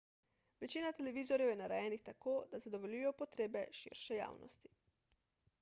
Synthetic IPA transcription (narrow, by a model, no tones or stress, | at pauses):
ʋɛt͡ʃiːnat̪ɛlɛʋiːzɔɾjɛwjɛnaɾɛjɛːnixt̪akoːd̪azad̪ɔʋɔlujɔpɔt̪ɾeːbɛʃḭɾʃɛja̰ːwnɔ̰st̪i̥